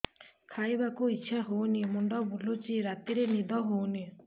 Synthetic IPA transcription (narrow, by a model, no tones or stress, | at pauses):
kʰajbakuitːʃʰaɦownimɔɳɖɔbulot͡ʃiɾat̪iɾenid̪ɔɦowni